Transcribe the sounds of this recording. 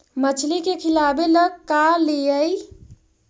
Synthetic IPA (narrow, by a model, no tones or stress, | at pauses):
mət͡ʃʰlikekʰilabeləɡ̚kalejəj